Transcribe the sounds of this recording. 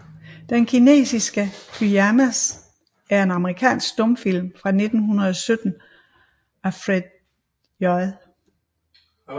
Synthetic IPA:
d̥enkʰine̝̰ːsisɡ̥əkʰyæmæs | æɐe̝nɑ̈məʁikʰɛ̰ːnsɡ̥̚d̥ɔ̽mfil̰mfʁɑ̈ne̝d̥n̩ɦunɐðˠɒ̽sød̥n̩ | æfʁed̥̚ | jɔɪ

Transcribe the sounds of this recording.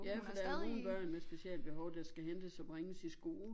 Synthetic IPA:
jæfɒd̥ɑæɐneo̝ːn̩b̥ɶɐ̰nmesb̥e̝siɛld̥̚b̥e̝ɦɒʊd̥æsɡ̥æɦend̥əsɒ̽b̥ʁeŋəsisɡ̥o̝̰ːl

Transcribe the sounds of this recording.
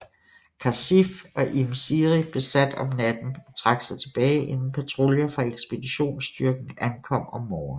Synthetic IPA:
kʰɑsifɒ̽ʔimsiʁib̥e̝sæd̥ɒ̽mnæd̥n̩ɒ̽t͡sʰʁɑ̈ɡ̥sɑ̈ɪt͡sʰe̝b̥ɛːɪʔe̝nn̩pʰæt͡sʰʁo̝ljɐfʁɑ̈eɡ̥sb̥e̝d̥iɕo̝̰ːnsd̥yɐɡ̥n̩ænkʰɒ̽m̰ɒ̽mːɒːn̩

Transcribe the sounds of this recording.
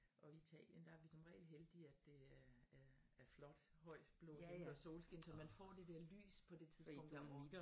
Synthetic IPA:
ʔɒ̽iit͡sʰɛ̰ːljənd̥ɑ̈æɐʋisɒ̽mʁɛ̰ːl̥ɦeld̥iæd̥ːe̝æɐææɐflɒ̽d̥hɒ̽ɪ̰b̥lo̰ɐso̝ːlsɡ̥e̝nsɒ̽mænfɒ̰ːd̥e̝d̥eɐly̰ːspʰɒ̽d̥e̝t͡sʰiðˠb̥ʰɔ̽ŋ̰d̥æɒ

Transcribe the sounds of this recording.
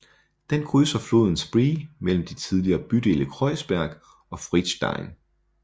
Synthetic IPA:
d̥enkʰʁyːsɐflo̝̰ːð̰ˠn̩sb̥ʁiːmel̰m̩d̥it͡sʰiðˠliɐːb̥yd̥e̝̰ːləkʰʁɒɪsb̥æɐɡ̥ | ɒ̽fʁid̥sd̥ɑ̰̈ɪn

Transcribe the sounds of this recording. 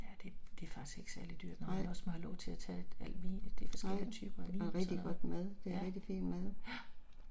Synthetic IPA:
jæd̥e̝d̥e̝æfɑ̈ɡ̥i̥sɡ̥e̝ɡ̥sæɐlid̥y̰ɐ̰d̥nɑɪ̰ɒsmænhɑlɒʊt͡sʰe̝æt͡sʰɛ̰æl̰ʋiːnəd̥e̝fɒsɡelət͡sʰy̰ːb̥ɐeʁɛɡ̥d̥iɡ̥ɒ̽d̥mæð̞ˠd̥e̝æʁɛɡ̥̚d̥ifḭːnd̥mæðˠæ

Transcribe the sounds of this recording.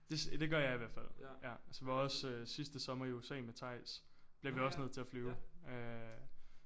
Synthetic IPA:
d̥e̝sd̥e̝ɡ̥ɶɐjɑ̈ɪiʋæɐd̥fæl̰jææsɒʋiɑɒ̽søsisd̥əsɒ̽mɐiuesɛ̰ːmet͡sʰɑ̈ɪ̰s | b̥liɐʋiɒ̽sne̝ð̞̰ˠt͡sʰe̝æflyːʊø

